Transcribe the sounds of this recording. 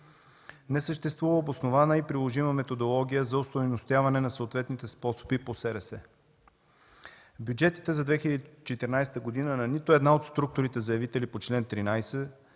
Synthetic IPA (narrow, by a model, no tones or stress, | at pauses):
nɛsəʃt̪ɛst̪vuvəobosnovanəipɾilˠoʒiməmɛt̪od̪olˠɔɡʲijəzɐost̪ojnost̪javɐnɛnɐsəot̪vɛt̪nit̪ɛspɔso̥biposɛɾɛsɛ | bjud͡ʒɛt̪i̥t̪ɛzɐd̪vɛxʲilʲəd̪it͡ʃɛt̪iɾnajst̪əɡod̪inənɐnit̪oɛd̪naot̪st̪ɾuk̚t̪ʊɾit̪ɛzɐjɐvit̪ɛlipot͡ʃlɛnt̪ɾinajsɛ